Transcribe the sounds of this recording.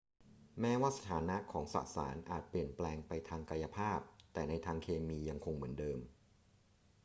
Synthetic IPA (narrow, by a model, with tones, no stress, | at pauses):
mɛː˦˥waː˥˩sa˧˩t̪ʰaː˩˦na˦˥ʔkʰɔː˩˦ŋsa̰˨˩ʔsa̰ː˩˦nʔaː˨˩t̪̚pli˨˩ənplɛː˧ŋpa˧jt̪ʰaː˧ŋka˧ja˧pʰaː˥˩p̚t̪ɛː˨˩na˧jt̪ʰaː˧ŋkʰeː˧miː˧ja˧ŋkʰo˧ŋmɯ˩˦əndɤː˧m